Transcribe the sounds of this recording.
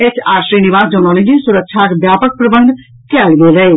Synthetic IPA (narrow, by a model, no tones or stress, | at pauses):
eːt͡ʃʰaːɾʃɾiːnɪʋaːsd͡ʒɔnɔːnẽd͡ʒisʊɾəkʃʰakbjaːpək̚pɾəbə̃nd̪ | kɛːlɡeːləe